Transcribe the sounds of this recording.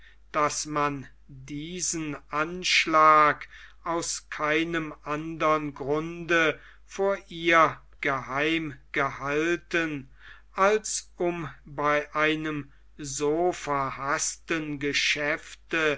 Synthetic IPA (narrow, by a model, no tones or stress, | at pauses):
d̥asman | diːzənʔanʃlaːkʔaʊskʰaɪnəmʔandɐənɡʁʊndə | foːɐʔiːɐ | ɡ̥əhaɪmɡ̥əhaltən | ʔalsʔʊmbaɪʔaɪnəm | zoːfɛɐhastənɡəʃɛftə